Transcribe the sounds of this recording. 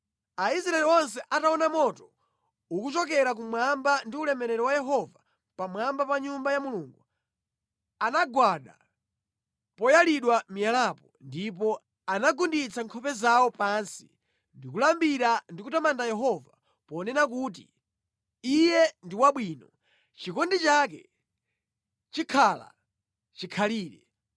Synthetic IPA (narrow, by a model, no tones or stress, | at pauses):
aisɾaɛliɔnsɛʔataɔnamɔtɔ | ukut͡ʃɔk̬ɛɾak̬umwambandiulɛmɛɾɛɾɔwajɛɦɔva | pamwambapaɲumbajamuluːŋɡu | anaɡwaɗa̰ | pɔjaliɗwamijalapɔndip̬ɔ | anaɡundit͡sʰaŋkʰɔpɛzaɔpansḭ | ndikulambiɾandikutamandajɛɦɔva | pɔːnɛnak̬uːt̬ḭ | ijɛndiwaɓwinɔ | t͡ʃikɔndit͡ʃak̬ɛ̰ | t͡ʃikʰala̰ | t͡ʃikʰaliːɾɛ